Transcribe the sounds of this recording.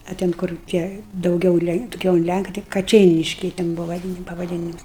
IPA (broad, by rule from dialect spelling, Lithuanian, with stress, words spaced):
ɐ ˈtʲɛn kʊr ˈtʲiɛ dɐʊˈɡʲɛʊ ˈlʲɛŋk dɐˈɡʲɛʊ ʊn ˈlʲæŋkɐ tɐɪ kɐˈt͡ʃʲɛɪnʲɪʃʲkʲɛɪ tʲɛn ˈbʊʋɐ ʋɐˈdʲiːn pɐʋɐˈdʲiːnʲɪmʊs